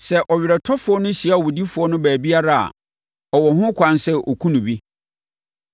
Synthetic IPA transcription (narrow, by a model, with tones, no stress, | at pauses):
sɛ˨ʔɔ˨ɥɪ˨ɾɛ˨tʰɔ˦fʊ˨˦ɔ˦nʊ̃˦ɕi˨a˦ɔ˨wɔ˨di˦fʊ˨ɔ˦nʊ̃˦bæː˨bi˦a˦ɾa˦a̰˨ | ɔ˨wɔ˨ɦʊ̃˦kʷʰã˦nsɛ˦ʔɔ̰˨kʰũ˦nʊ̃˨bi˦